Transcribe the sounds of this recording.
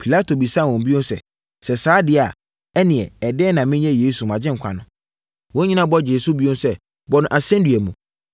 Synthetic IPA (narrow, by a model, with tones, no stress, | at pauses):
pʰi˨la˦tʰo˨bi˨sã˦˨wɔ̃˨mbi˦õ˦n˦sɛ̰˦˨ | sɛ˨saː˦dɪ˦˨a˨ | ɛ˦nɪ̃˨ɛ˨ɛ˨dɛ˦nã˨mɪ̃˦ɲ˦ɛ̃˦jeː˦su˨mã˨d͡ʑɪ̃˦ŋ̩˨kʷʰa̰˨nʊ̃˨ | wɔ̃˦ɲĩ˦nã˦bɔ˦d͡ʑe˨su˦bi˦õ˦n˦sɛ˦ | bɔ˦nʊ̃˨ʔa˨sɛ̃˦di˨ɛ˨mũ˨